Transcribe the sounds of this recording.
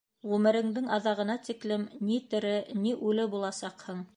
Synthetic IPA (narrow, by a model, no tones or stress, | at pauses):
ʁʉmɘ̆ɾɘ̆ŋd̪ɘŋɑðɑʁɤ̆nɑt̪iklɘmnit̪ɘ̆ɾɘniʔʉlɘbulˠɑsɑqhɤɴ